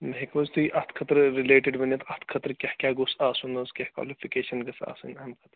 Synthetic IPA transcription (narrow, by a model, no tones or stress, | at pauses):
mɐɦekʋɐzt̪uiʔɐt̪ʰkʰɐt̪ɾɾileːʈeɖʋɐnɐt̪ʰɐt̪ʰkʰɐt̪ɾkʲɐhkʲaːɡosaːsunoːskʲɐhkwa̰ːlipʰikeːʃɐnɡɐsa̰ːsunɐmkʰɐt̪ɾ